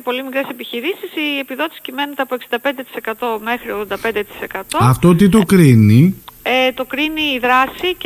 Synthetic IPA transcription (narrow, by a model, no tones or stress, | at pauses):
po̞limikɾe̞se̞piçiɾisisie̞piðo̞t̪i̥si̥cimenet̪eɐpoksind̪ɐpe̞nd̪e̞t̪i̥se̞kɐt̪o̞me̞xɾioðod̪ɐpe̞nd̪et̪i̥se̞kɐt̪o̞ɐft̪ot̪it̪o̞kɾiniet̪o̞kɾiniːðɾɐsi